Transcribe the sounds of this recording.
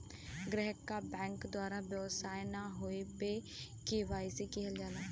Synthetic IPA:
ɡɾeɦəkːabɛ̃ːŋkd̪waːɾabjɛʋsaːjnaɦoepe | keʋaːisikɪɦəld͡ʒaːlaː

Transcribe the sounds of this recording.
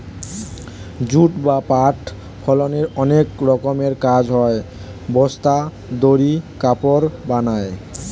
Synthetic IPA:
d͡ʑuʈbapaʈ | pʰɔloneɾɔnekɾɔkomeɾkad͡ʑʱɦɔe | bɔst̪a | d̪oɾikapoɾbanae

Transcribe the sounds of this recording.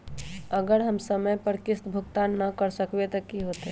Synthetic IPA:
əɡəɾɦəmsəməjpəɾkɪst̪bʱʊkt̪annːəkəɾsəkbet̪əkiɦot̪ɦɛ

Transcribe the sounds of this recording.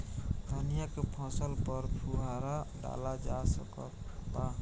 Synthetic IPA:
d̪ʰʱənijakepʰə̃səlpəɾpʰuɦaɾaɖa̰lad͡ʒasəkə̰k | ba

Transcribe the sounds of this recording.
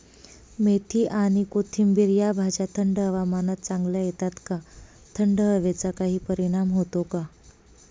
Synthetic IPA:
met̪ʰiːʔaɽ̃ikot̪ʰimbiɾjabʱad͡ʑat̪ʰəɳɖɦəʋamanət̪̚t͡saŋɡlajet̪at̪ka | t̪ʰəɳɖəɦəʋet͡sakaɦiːpəɾiɽ̃amɦot̪oka

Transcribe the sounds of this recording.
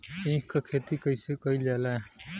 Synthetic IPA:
ĩːkakʰeːt̪iːkəisekəilaːlaː

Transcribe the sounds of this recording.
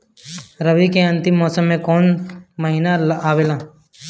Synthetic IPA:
ɾəʋikeə̃nt̪ɪmːɔːsəmːẽkɔːnməɦiːnalaːʋeːlãː

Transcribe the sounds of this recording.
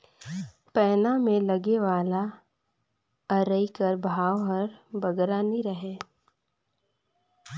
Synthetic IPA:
pɛːnamẽlɐɡeʋaːla | əɾəikəɾbʱaːwɦəɾbɐɡɾaniɾəɦeː

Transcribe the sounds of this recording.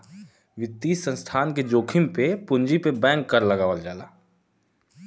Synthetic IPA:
ʋɪt̪ːiːsə̃nst̪ʰaːnked͡ʒoːkʰɪmpepʊ̃ɲd͡ʒipebɛ̃ːŋkːɐɾlɐɡaːʋəld͡ʒaːlaː

